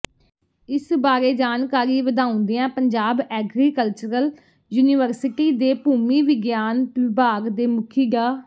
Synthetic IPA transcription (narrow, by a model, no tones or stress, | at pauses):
ɪsbaːɾeːd͡ʒaːnkaːɾiːʋəd̪ãːʊ̃nd̪eːãːpəɲd͡ʒaːbɛːɡɾiːkəlt͡ʃəɾəl | juːniʋəɾsɪʈiːd̪eːpuːmiːʋɪɡjaːnʋɪbaːɡd̪eːmʊkʰiːɡaː